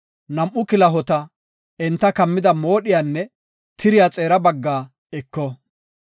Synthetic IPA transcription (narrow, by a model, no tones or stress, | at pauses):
nɐmʔʊkɪlɐɦɔt̪ɐ | ɪnt̪ːɐkɐmːɪd̪ɐmoːɗɪjaːnːɛ | t̪ʰɪɾɪjat͡sʼe̞ːɾɐbɐɡːaː | ɛkːɔ